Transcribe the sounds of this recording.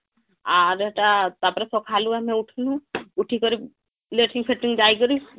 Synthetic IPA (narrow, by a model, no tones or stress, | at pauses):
aɾeʈat̪apɾasɔkʰaːlũɛmɛ̃ʊʈʰlũʊʈʰikəɾi | leːʈĩŋpʰeʈːɪŋd͡ʒaːikəɾi